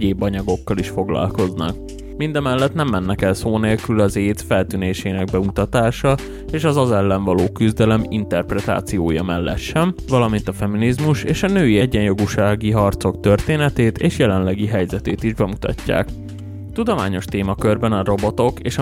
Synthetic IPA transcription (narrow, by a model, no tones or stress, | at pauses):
eːbɒɲɒɡo̞kːɒliʃfo̞ɡlɒ̰lko̞znɒ̰k̚ | mind̪ɒmɛlːɛt̪nɛmːɛnːɛkɛlsoːneːlkylɒzeːt̪fɛlt̪yːneːʃeːnɛɡbɛut̪ɒt̪aːʃɒ | eːʃɒzɒzɛlːɛɱvɒloːkyzd̪ɛlɛmḭnt̪ɛrprɛt̪a̰ːt̪sijoːjɒmɛlːɛ̰t̪ʃɛɱvɒlɒmint̪ɒfɛminizmuʃeːʃɒnøːiɛɟːɛnjo̞ɡuʃaːɡiɦɒrt̪so̞kt̪ø̞rt̪eːnɛt̪eːt̪eːʃjɛlɛnlɛɡiɦɛjzɛt̪eːt̪iʒbɛmut̪ɒ̰cːa̰ːk | t̪ud̪o̞ma̰ːɲo̞ʃt̪eːmɒkørbɛnɒro̞bo̞t̪o̞keːʃɒ